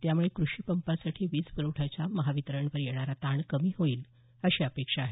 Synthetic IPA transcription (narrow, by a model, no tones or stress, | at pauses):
t̪jamuɭekɾuɕiːpəmpasaʈʰiːʋiːt͡sbəɾoʈʰat͡ɕjaməɦaʋit̪ɾəɳʋəɾjeɽ̃aɾat̪aɳkəmiːɦoiːl | əɕeəpekʂaːɦe